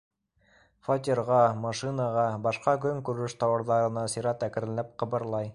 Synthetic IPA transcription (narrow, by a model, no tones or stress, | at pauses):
fot̪̬ʲiɾʁɑmɑʃinɑʁɑbɑʃqɑkɵŋkʉɾɘʃt̪ɑwɤ̆ɾðɑɾɤ̆nɑsiɾɑt̪ækɘ̆ɾɘ̆læp̚qɤ̆bɤ̆ɾlˠɑj